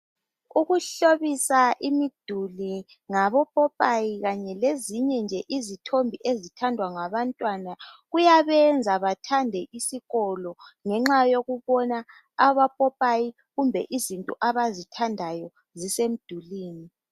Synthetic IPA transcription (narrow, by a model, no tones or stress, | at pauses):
uɣuɬoβisaʔimid̥ʱuli | ŋaβɔpʼɔpʼajiɣaɲɛleziɲɛnd͡ʒʱɛʔizitʰombʱiʔezitʰandʱwaŋaβantʼwanaɣujaβɛnd͡zʱaβatʰandʱɛʔisiɣɔlɔŋɛŋ͡ǁajoɣuβɔna | aβapʼɔpʼaji | ɣumbʱɛ̰ʔizintʼṵʔaβazitʰandʱajɔ | zisem̩d̥ʱuliːni